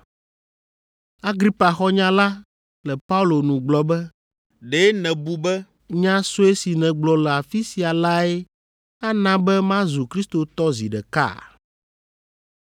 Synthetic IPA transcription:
a˦ɡɾi˦pa˨xɔ˦ɲã˦la˦ | lɛ˨pa˦u˦lo˨nũ˨ɡ͡blɔ˦bɛ˦ | ɖe˦nɛ̃˨bu˦bɛ˦ | ɲã˦so˦e˦si˨nɛ̃˨ɡ͡blɔ˨lɛ˨a˨fi˦si˨a˨la˦e˦ | a˦nã˦bɛ˦mã˦zu˨kɾi˦st̪o˨t̪ɔ˦zḭ˨ɖɛ˨ka̰˦˨

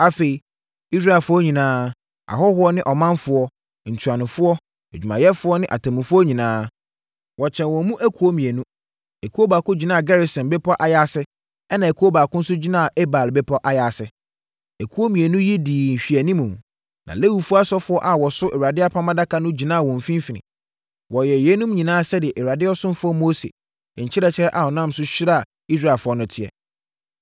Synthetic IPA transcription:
a˦fe˨i˨ | i˦s̬ɾa˦ɛ˨lfʊ˦ɔ˦ɲĩ˨nãː˦ | a̰˨ɦɔ˦hʊ˦ɔ˦nɪ̃˦ʔɔ˨mã˦nfʊ˦ɔ˦ | ɲ̩˨t͡ɕʰu˨a˨nʊ̃˨fʊ˦ɔ˦ | æ˨d͡ʑᶣu˨mã̰˨jɛ˦fʊ˦ɔ˦nɪ̃˦ʔa̰˨tʰa˨mũ˨fʊ˦ɔ˦ɲĩ˨nãː˦ | wɔ˨t͡ɕʰɛ̃˨nwɔ̃˨˦mũ˦ʔæ˦kʰu˨˦o˦mĩ˨æ˨nũ˦ | e˨kʰo˦ba˨kʊ̃˦d͡ʑi˨nã˦a˨ɡɛ˦ɾi˨sɛ̃˨nbɛ˦pʰɔ˦ʔa˨ja˦sɪ˦ | ɛ˦nã˨e˨kʰo˦ba˨kʊ̃˦n̩˦sʊ˦d͡ʑi˦nã˦a˨ʔe˦ba˨lbɛ˦pʰɔ˦ʔa˨ja˨sɪ˨ | e˨kʰu˨˦o˦mĩ˨æ˨nũ˦jɛ˦diː˨ɕᶣi˨æ˨nĩ˦mũ˨m | nʔã̰˨le˦wu˨fu˦a˦sɔ˦fʊ˦ɔ˦ʔa˨wɔ˨sʊ˦ʔɛ˨wa˨dɪ˦a˦pʰã˦mã˦da˦kʰa˦nʊ̃˦d͡ʑi˨nã˦a˨wɔ̃˨ɱ˨fĩ˦m˦fi˨nɪ̰̃˨ | wɔ˨jɛ˨jɛ˦nũ˦mɲĩ˨nãː˦a˨sɛ˦dɪ˨ɛ˨ʔɛ˨wa˨dɪ˦ɔ˦sʊ̃˦m˦fʊ˦ɔ˦mo˦sḛ˨ | ɲ̩˨t͡ɕʰɪ˦ɾɛ˨t͡ɕʰɪ˦ɾɛ˦ʔa˨ɔ˨nã˦m˦sʊ˦ɕɪ˦ɾa˦a˨ | i˦s̬ɾaː˦˨lfʊ˨˦ɔ˦nʊ̃˦tʰɪ˦˨ɛ̰˨

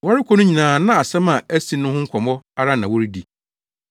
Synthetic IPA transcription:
wɔ˦ɾɪ˦kʷʰɔ˦nʊ̃˦ɲĩ˨nãː˨˦nã˦a˨sɛ˦mã˨æ˦si˨˦nʊ̃˦hʊ̃˦ŋ̩˦kʷʰɔ˨mɔ˦a˦ɾa˦nã˨wɔ˦ɾi˦di˨

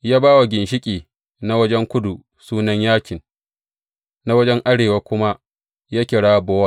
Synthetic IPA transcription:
jaː˦baː˦wa˨ɡʲɪ˨nʃɪ˦kʲʼiː˨ | na˦wɐ˦d͡ʒɛ˦ŋkʷʊ˦du˨ | suː˦nɐ˦ɲjaː˦kʲɪ˨n | na˦wɐ˦d͡ʒɛ˦ŋʔa˦ɽeː˨wa˦kʷʊ˦ma˦ʔ | jaː˦kʲɪ˨ɽaː˦bɔː˦wa˦

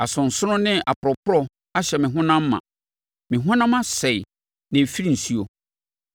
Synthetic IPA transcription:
a˨sʊ̃˨n̩˨sʊ˦ʊ̃˦nɪ̃˦ʔa˨pʊ˨ɾɔ˨pʰʊ˦ɾɔ˦ | a˦ɕɛ˨mɪ̃˨ɦʊ̃˦nã˦mː˦ã̰˨ | mɪ̃˨ɦʊ̃˦nã˦mã˦sɛ˨i˨ | nɪ̃˨fi˦ɾi˨si˦o˨

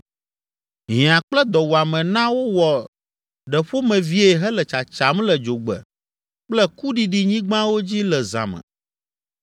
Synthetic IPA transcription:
ɲĩ˨ã˨k͡plɛ˦d̪ɔ˨wu˨a˨mɛ̃˨nã˦wo˦wɔ˨ | ɖɛ˨ɸo˦mɛ̃˨vi˦e˨ɦɛ˦lɛ˨t͡ʃa˨t͡ʃa˨m˦lɛ˨d͡ʒo˨ɡ͡bɛ̰˨ | k͡plɛ˦ku˦ɖi˨ɖi˨ɲĩ˦ɡ͡bã˦wo˦d͡ʑi˦lɛ˨zã̰˨mɛ̰̃˨

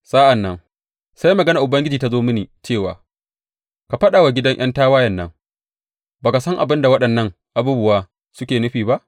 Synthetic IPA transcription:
saː˦ʔa˨nːɐ˦ŋ | sa˦jmɐ˨ɡɐ˦na˨ʔʊ˨bɐ˦ŋɡʲɪ˦d͡ʒiː˨ta˦zoː˦mɪ˦niː˨t͡ʃeː˦˨wa̰ː˨ | ka˨ɸɐ˦ɗaː˨wa˨ɡʲɪ˦dɐ˦ŋʔɐ̰˦ntaː˦waː˦jɐ˨nːɐ̰˦ŋ | baː˨ka˨sɐ˦ŋʔa̰˨bɪ˦nda˨wɐ˦ɗɐ˨nːɐ˦ŋ | ʔa˨buː˦bʊ˦waː˦ | sʊ˦kʲeː˨nʊ˦ɸiː˨ba˦ʔ

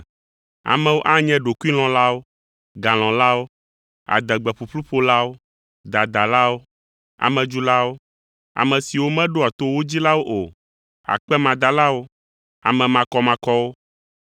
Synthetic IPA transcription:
a̰˨mɛ̃˦wo˦ʔa˦ɲɛ̃˦ɖo˨ku˦i˦l̃ɔ̃˨la˦wo˦ | ɡa˨l̃ɔ̃˨la˦wo˦ | a̰˨d̪ɛ˨ɡ͡bɛ˨ɸu˨ɸlu˦ɸo˦la˦wo˦ | d̪a˨d̪a˨la˦wo˦ | a̰˨mɛ̃˨d͡ʒu˦la˦wo˦ | a̰˨mɛ̃˨si˨wo˦mɛ̃˦ɖo˦a˨t̪o˦wo˦d͡ʑi˦la˦wo˦ʔo˨ | a̰˨k͡pɛ˦mã˨d̪a˨la˦wo˦ | a̰˨mɛ̃˨mã˨kɔ˦mã˨kɔ˦wo˦

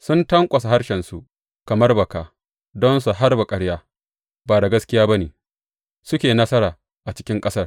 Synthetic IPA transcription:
sʊ˦ntɐ˦ŋkʷʼɐ˨sa˨ɦa˦rʃɛ˨nsu˨ | kɐ˨mɐ˦rbɐ˨kaː˨ | dɔ˦nsu˨ɦa˦rbɐ˨kʼɐ˨˦ɽjaː˦ | baː˨da˨ɡɐ˦skʲɪ˦jaː˦ba˦neː˨ | sʊ˦kʲeː˨nɐ˦sɐ˦ɾaː˨ | ʔa˨t͡ʃɪ̥˦kʲɪ˦ŋkʼɐ˦sɐ˦r

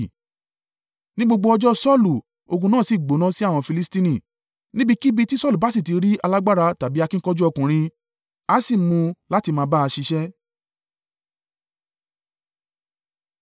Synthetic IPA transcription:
nĩ˦ɡ͡bo˧ɡ͡bo˧ɔ˧d͡ʒɔ˦sɔ˦˨lu˨ | o˧ɡũ˧nãː˦˨si˨ɡ͡bo˨˦nã˦si˦a˦˨w̃ɔ̃˧fi˧li˦stĩ˧nĩ˦˨ | nĩ˦bi˦˧ki˦bi˧ti˦sɔ˦˨lu˨ba˨˦si˦˨t̬i˨˧ɾi˦a˧la˦ɡ͡ba˦˨ɾa˧ta˨bi˨˦a˧kĩ˦kɔ˦d͡ʒu˦ɔ˧kũ˨ɾ̃ĩ˧ | a˦si˦˨mũ˧la˦ti˧mãː˧ba˦a˧ʃi˧ʃɛ˦

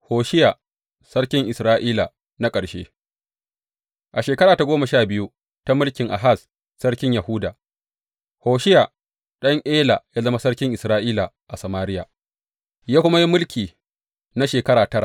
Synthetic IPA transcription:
hoː˨ʃɪ˦ja˨ | sɐ˦ɽkʲɪ˦ŋʔɪ˨sɾaː˦ʔiː˦la˨ | na˦kʼɐ˨ɽʃḛː˦ | ʔa˨ʃeː˨kɐ˦ɾaː˨ta˨ɡʷoː˦mɐ˨ʃaː˦˨bɪ˦ju˦ | ta˦mʊ˦lkʲɪ˨ŋʔa̰˨ɦa˦˨s | sɐ˦ɽkʲɪ˦ɲja˨hʊ˦daː˨ | hoː˨ʃɪ˦ja˨ | ɗɐ˦ŋʔeː˦la˨ja˦zɐ˦ma˦sɐ˦ɽkʲɪ˦ŋʔɪ˨sɾaː˦ʔiː˦la˨ | ʔa˨sɐ˨maː˦ɾɪ˦ja̰˨ | jaː˦kʷʊ˦ma˦ji˦mʊ˦lkʲiː˨ | na˦ʃeː˨kɐ˦ɾaː˨tɐ˦ɾa̰˨

